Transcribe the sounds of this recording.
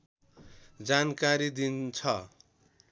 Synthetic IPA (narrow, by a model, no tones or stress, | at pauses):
d͡zankaɾid̪int͡sʰʌ